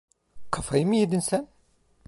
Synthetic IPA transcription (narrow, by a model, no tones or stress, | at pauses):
qːəfimjid̪ənsæn